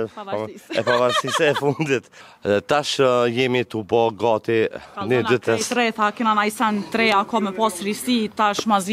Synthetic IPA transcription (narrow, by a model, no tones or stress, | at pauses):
ɛpavaɾsisɛfund̪it̪ | ɛt̪aʃjɛmit̪ubɔɡɔt̪inid̪yt̪ɛt̪ɾɛt̪akinanajsɛnt̪ɾɛakɔmɛpɔsɾisit̪aʃmazi